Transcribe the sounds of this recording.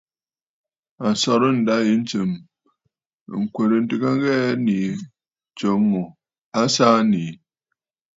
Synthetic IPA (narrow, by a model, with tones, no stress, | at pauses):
a˨sɔ˨ɾɨ˦n̩˨da˦ji˨˦n̩˦t͡ʃə˨m˨ | ŋ̩˨kʷe˨ɾɨ˨n̩˦tɨ˨ka˦ŋ˦ɣɛ˦ni˨ | t͡ʃo˨˦ŋː˦o˨ | a˦saː˦ni˨